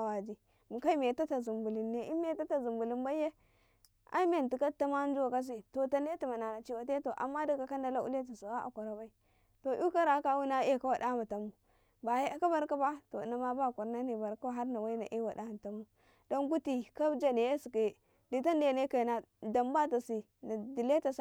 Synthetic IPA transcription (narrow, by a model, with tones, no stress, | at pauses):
a˨wa˨d͡ʒi˦ | mu˨ka˦i˦me˨ta˦ta˨zu˨mbu˨li˨nːe˨i˦e˨˦ta˦ta˨zu˨mbu˨li˦mba˦je˦ | a̰˦i˦me˨ti˨ka˦ta˦ma˦n˦d͡ʒu˦wa˨ka˦s̬i˨to˨ta˦n˦e˦ti˨ma˨na˨na˨t͡ʃi˦wa˨te˦to˨ʔa̰˨mːa˦di˨ka˨ka˦n˦da˦la˦ʔu˦a˦t̬i˨su˨wa˦ʔa̰˨ka˨ɾa˨ba˦i˦ | to˨ʔu˦ka˦ɾa˨˦ka˦wu˦na˦e˦ka˦wa˨da˦ma˨ta˨mu˨ | ba˨je˦a˦ka˦ba˦ɾka˦ba˦to̰˨na˨ma˦ba˦˨ku˨ɾna˦ni˨ba˨ɾko˦ɦa˦ɾna˨wa˦i˦na˨ʔi˦wa˨da˦˨ta˨mu˦ | do˦nɡu˦ti˨ka˦bd͡ʒa˦ne˨je˦si˨ke˨ | di˨ta˦nde˨ne˦ka˨na˨ | da˨mba˦ta˨si˨ | na˨di˨le˦ta˨s